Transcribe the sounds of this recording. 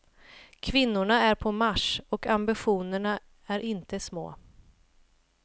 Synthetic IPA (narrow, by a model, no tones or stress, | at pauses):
kʰvɪnːʊɳaæɾpʰɔmaʂɔkʰambɪɧuːnəɳa | æɾʔɪnt̪əsmo̰ː